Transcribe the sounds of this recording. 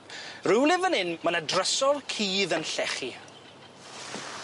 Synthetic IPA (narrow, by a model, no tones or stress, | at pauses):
rɪwlɪvənɪnmənadrəsɔlˠkʰiːðənɬɛχi